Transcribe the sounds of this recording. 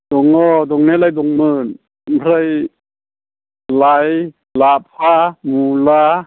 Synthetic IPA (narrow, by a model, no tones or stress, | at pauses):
d̪oŋɔːd̪oŋnelajd̪oŋmɯːn | pʰɾaj | laj | laːpʰaːmuːlaː